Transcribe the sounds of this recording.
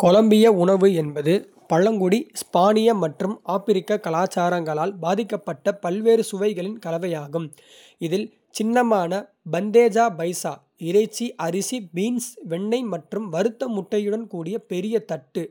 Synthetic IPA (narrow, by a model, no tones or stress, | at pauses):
kɔlɐmbɪjɐʊɳɐʋɯɛnbɐðɯ | pɐɻɐŋɡʊɽispaːnɪjɐmɐʈrɯmaːpɪɾɪkːɐkɐlaːt͡ʃːaːɾɐŋɡɐɭaːlbaːðɪkːɐpːɐʈːɐpɐlʋeːɾɯsʊʋɐɪɣɐɭɪnkɐlɐʋɐjaːɣɯm | ɪðɪl | t͡ʃɪnːɐmaːnɐ | bɐnd̪eːd͡ʒaːbɐɪsaː | ɪɾɐɪt͡ʃːiʔɐɾɪsibiːnsʋɛɳːɐɪmɐʈrɯmʋɐɾɯt̪ːɐmʊʈːɐjɯɽɐnkuːɽɪjɐpɛɾɪjɐt̪ɐʈːɯ